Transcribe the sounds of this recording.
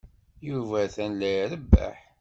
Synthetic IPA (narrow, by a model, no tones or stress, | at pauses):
juvæθænlæjɾəbːæ̰ħ